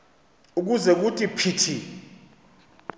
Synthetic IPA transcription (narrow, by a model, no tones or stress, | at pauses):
uk̬uzɛk̬utʼipʰitʰi